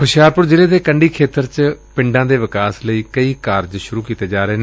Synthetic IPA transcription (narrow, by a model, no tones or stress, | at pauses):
kʰʊʃjaːɾpʊɾd͡ʒɪleːd̪eːkəɳɖiːkʰeːt̪əɾt͡ʃpɪ̃ɳɖãːd̪eːʋɪkaːsləiːkəiːkaːɾd͡ʒʃʊɾuːkiːt̪eːd͡ʒaːɾəeːne